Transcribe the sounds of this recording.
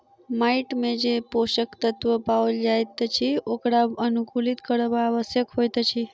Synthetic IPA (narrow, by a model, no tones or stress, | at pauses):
maiʈmẽd͡ʒepoʃəkt̪ət̪ʋəpauld͡ʒajt̪t͡ʃʰiokɽaənukulit̪kəɽəʋaːʋəsjəkɦojt̪t͡ʃʰi